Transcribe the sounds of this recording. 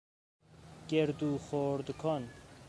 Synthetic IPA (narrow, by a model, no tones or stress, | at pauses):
ɡ̥eɾd̪uːχoːɾd̪kʰɔn